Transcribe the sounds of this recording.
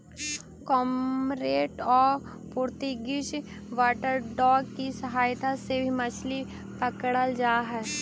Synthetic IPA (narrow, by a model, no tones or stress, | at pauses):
kɔːmɾeːʈɔːɾpuːɾt̪iɡɪt͡ʃ | ʋaːʈəɾɖɔːɡkisəɦaːjt̪asebʱimət͡ʃʰli | pəkɽəld͡ʒaːɦɛː